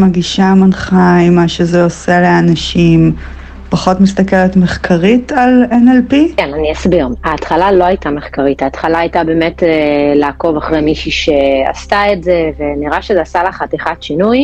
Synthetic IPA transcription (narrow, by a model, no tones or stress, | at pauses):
maɡiʃamanχaimaʃezeoseleanaʃim | paχo̞tmis̬t̪akeletmeχkʰaʁitalenelpikenaniasbiʁaːtχalalo̞ajtame̞χkaʁithaːtχalaːjtabe̞ːmetelaːko̞vaχʁejmiʃiʃea̰staetze̞ve̞niʁaʃezeasalaχat̪iχatʃinuj